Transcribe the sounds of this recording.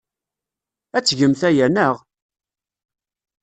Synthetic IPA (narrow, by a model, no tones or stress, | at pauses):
æt͡sːʝəmθæjænəʁ